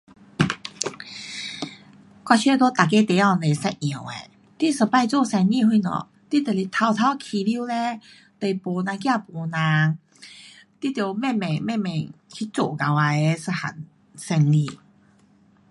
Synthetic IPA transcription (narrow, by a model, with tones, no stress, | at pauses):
kwa˧t͡ɕʰɥɛ˥˧t̪o˦t̪a˨˩k̬e˦˥t̪e˧˨˦a˥˧ŋle˨˩sɛ˧a˨˩wḛ˨ | t̪i˥˨sɨ˨˧˩pa˥˧jt͡so˥˧sɛ˧ni˥˧˨hwi˥˧˨nɔ̰˨˩ | t̪i˥t̪e˨˩li˧˨˩t̪ʰa˧wt̪ʰa˧˦wkʰi˧li˦˥˨le˦ | t̪e˨˩jpo˨˩nã˧ŋkja˥˧˨po˨˩nã˧˦ŋ | t̪i˥t̪jo˨˩mɛ˥˨mɛ˨˩ŋmɛ̃˥˧˨mɛ̃˨˩ŋkʰi˦˥t͡so˨˩ka˨wa˧e˧˦sɨ˧ha̰˨˩n | sɛ˧nli˥˧˨